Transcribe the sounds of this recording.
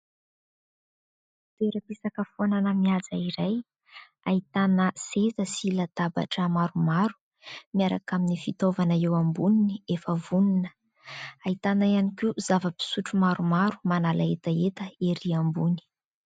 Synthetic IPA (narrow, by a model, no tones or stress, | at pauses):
t̪eɾəpisakəfonanəmiazaiɾaj | ait̪anəsezəsilat̪aba̰ʈ͡ʂəmaɾumaɾu̥ | miaɾa̰kaminifit̪ovanəewambuniniefəvuninə̥ | ait̪anaianikuzavəpi̥suʈ͡ʂumaɾumaɾumanalaet̪əet̪əeɾiambuni̥